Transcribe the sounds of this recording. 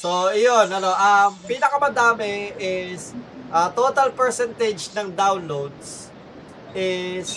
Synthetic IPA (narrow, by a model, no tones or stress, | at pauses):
sojonɐno̞ʔɐmpiːnɐkɐmɐd̪aːmɪɪs | ʔɐt̪oːt̪ɐlpɛɹsɛnt̪ɛd͡ʒnɐŋd̪awnlowd̪s | ʔɪs